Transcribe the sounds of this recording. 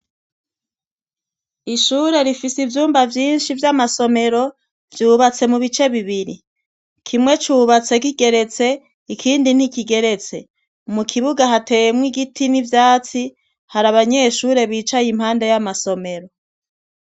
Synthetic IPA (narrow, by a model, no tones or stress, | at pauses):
iʃuɾe̞ɾifisivjuːmbavjiːnʃivjamaso̞me̞ɾo̞ | v̥juːβat͡se̞muβit͡ʃe̞βiβiɾḭ | kʰimŋe̞t͡ʃuːβat͡se̞k̬iɡe̞ɾe̞t͡se̞ | ikʰiːndin̥ikiɡe̞ɾe̞t͡se̞ | mukʰiβuɡaɦate̞ːmŋiɡitʰinivjaːt͡si | haɾaβaɲe̞ːʃuːɾe̞βiːt͡ʃajimhaːnde̞jamaso̞me̞ɾo̞